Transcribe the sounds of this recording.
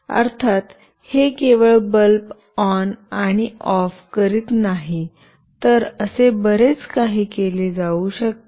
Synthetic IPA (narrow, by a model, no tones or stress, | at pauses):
ə̰ɾt̪ʰat̪ | hekeʋəɭbəlp | ɔnaɽ̃iɔfkəɾit̪naɦi | t̪əɾəsebəɾet͡skaɦiːkeled͡zauɕək̚t̪